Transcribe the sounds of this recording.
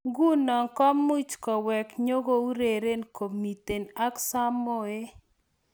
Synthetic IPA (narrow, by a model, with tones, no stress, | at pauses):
ɡu˦nɔ˨ŋkɔ˦mːu˦t͡ʃkɔ˨wɛ˨kɲo˦ɡo˦u˦ɾe˨ɾe˦nko˨mi˨te˨na˦ksa˦mːo˦˨e˦